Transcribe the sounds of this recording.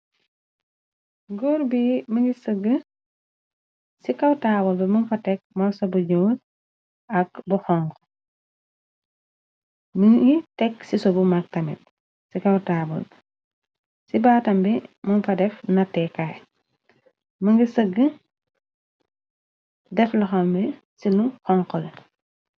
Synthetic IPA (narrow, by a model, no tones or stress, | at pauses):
ɡoɾbiməŋɡisəɡːə | sikɐwtaːbɔlbɛmɐnfɐtɛk̚mɐlsɔbuɲoːl | ɐk̚buxɔŋɡ | məŋɡitɛksisɔbumak̚tɐmḭt̚ | sikɐwtaːbɔ̰l | sibaːtɐmbɛmɐnfɐdɛfnɐtːɛkːaj | mɐŋɡisəɡə | dɛflɐxɐmbɛ | siluxɔŋkɔl